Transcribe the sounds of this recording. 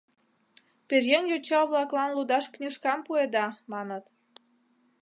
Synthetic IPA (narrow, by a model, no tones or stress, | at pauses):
perjenjot͡ɕɑβlɑklɑnlud̪ɑʃknʲiʃkɑmpued̪ɑmɑnət̪